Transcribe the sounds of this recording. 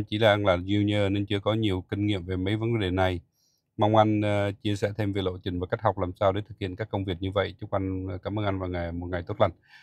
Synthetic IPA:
t͡ɕi˧˦laː˨˩ʔa˧nlaː˨˩zu˧ɲəː˧ne˧nt͡ɕɨ˧əkɔ˨˦ɲi˨˩əwki˧ŋ̟ŋḭ˧˨əmve˨˩mə˨˦jvə˨˦nɗe˨˩na˨˩j | ma˧wŋ͡mʔa˧jŋ̟t͡ɕi˧əsɛ̰˧˥t̪ʰe˧mvi˨˩lo̰˧˨t͡ɕï˨˩ŋ̟vaː˨˩kk̚ha˨˩k͡p̚laː˨˩msaː˧wɗe˨˦t̪ʰɨ˨˩k̚hḭ˧˨ənkaː˦˥kːə˧wŋ͡mvi˨˩ət̚ɲɨ˧və̰˧˨jt͡ɕʊ˦˥k͡p̚ʔa˧jŋkaː˨˧˩mʔəː˧nʔa˧nvaː˨˩wŋa˨˩jmo˨˩t̚ŋa˨˩jt̪o˦˥t̚lə̰˧˨ŋ

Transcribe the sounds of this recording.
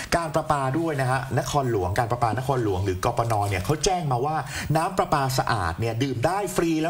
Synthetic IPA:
kaː˧npɾa˧paː˧du˥˩əjna˦˥kʰa˦˥na˦˥kʰɔː˧nlu˩˦əŋkaː˧npɾa˧paː˧na˦˥kʰɔː˧nlu˨˩˦əŋɾɯː˩˦kɔː˧pɔː˧nɔː˧ni˥˩ɐkʰa˦˥wt͡ɕɛː˥˩ŋmaː˧waː˥˩naː˦˥mpɾa˧paː˧sa˧ʔa̰ː˨˩t̪̚ni˥˩dɯː˨˩mdaː˥˩jfɾiː˧lɛː˦˥

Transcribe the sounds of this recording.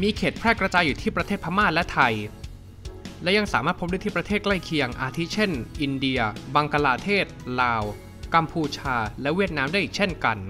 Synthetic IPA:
miː˧kʰeː˨˩t̪̚pʰɾɛː˥˩kɾa˧t͡ɕaː˧jːuː˨˩iː˥˩pɾa˧t̪ʰeː˥˩t̪̚pʰa˧˥maː˥˩lɛ˦˥t̪ʰa˧j | lɛ˦˥ja˧ŋsaː˩˦maː˥˩t̪̚pʰo˦˥da˥˩t̪ʰiː˥˩pɾa˧t̪ʰeː˥˩kla˥˩jkʰi˧əŋʔaː˧t̪ʰi˦˥t͡ɕʰe˥˩nʔi˧ndi˧ɐbaː˧ŋka˧laː˧t̪ʰeː˥˩t̪̚laː˧w | ka˧mpʰuː˧t͡ɕʰaː˧lɛ˦˥wi˥˩ət̪̚naː˦˥mdaː˥˩ji˨˩k̚t͡ɕʰe˥˩nka˧n

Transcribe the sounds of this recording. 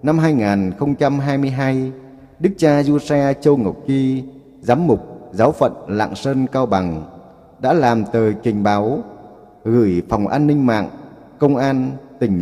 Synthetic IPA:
na˧mɦaː˧jŋaː˨˩nxə˧wŋ͡mt͡ɕa˧mɦaː˧jmɨ˧əjɦaː˧j | ɗɨ˦˥k̚t͡ɕaː˧zu˧sɛ˧t͡ɕə˧ŋə˨˩k͡p̚ki˧ | zaː˨˦mːʊ˨˩k͡p̚zaː˨˦wfə̰˧˨nla̰ː˧˨ŋsəː˧nkaː˧wɓa˨˩ŋ | ɗa̰ː˧˥laː˨˩mt̪əː˨˩jkï˨˩ŋ̟ɓaː˨˦w | ɣɨ˧˩jfa˨˩wŋ͡mʔaː˧nːï˧ŋ̟ma̰ː˧˨ŋ | kə˧wŋ͡mʔaː˧nt̪ï˨˩ŋ̟

